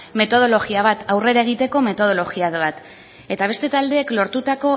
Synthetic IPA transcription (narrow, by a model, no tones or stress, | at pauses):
me̞t̪o̞ð̞o̞lo̞ɣiaβ̞at̪awre̞ɾae̞ɣ̞it̪e̞ko̞me̞t̪o̞ð̞o̞lo̞ɣiaðβat̪ | e̞t̪aβ̞e̞st̪e̞t̪ald̪e̞ːklo̞ɾt̪ut̪ako̞